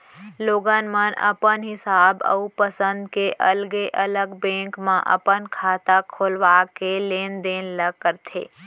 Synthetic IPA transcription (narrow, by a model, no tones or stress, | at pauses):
loːɡaːnmənə̰pənɦɪsaːbə̰upəsə̃nd̪keʔɐlɡeʔɐləɡbɛ̃ːŋkmã̰ʔə̰pənkʰaːt̪akʰoːlʋaːkeleːnd̪eːnləɡ̚kəɾt̪ʰḛː